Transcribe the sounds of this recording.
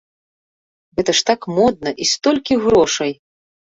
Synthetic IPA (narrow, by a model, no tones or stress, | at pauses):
ɣɛt̪ɐʂt̪akmɔd̪̚nɐʔist̪ɔlʲkʲiɣɾɔʂɐj